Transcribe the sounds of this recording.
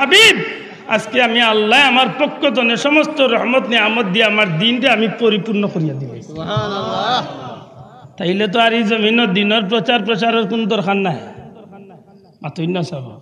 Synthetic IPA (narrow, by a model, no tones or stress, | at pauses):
habib̚ | a̰skeamialːaeamaɾpɔkːɔt̪̬ɔneʃɔmɔst̪ɔɾɔhmɔt̪niamɔt̪̚d̪ijaamaɾd̪inʈeamipoɾipuɾnɔxoɾijad̪ibo̰ | t̪aɦjlet̪̬ɔaɾizominɔd̪inɔɾpɾɔt͡ʃaɾpɾɔt͡ɕaɾɔɾkunɔd̪ɔɾxʰanːae | mat̪ojnːɔsɔbɔ̰